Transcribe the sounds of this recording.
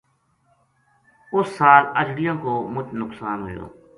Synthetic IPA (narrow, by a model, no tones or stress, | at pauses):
ʊsːaːləd͡ʒɽɪjãːkoːmʊt͡ʃnʊksaːnɦo̰ːd͡ʒo̰ː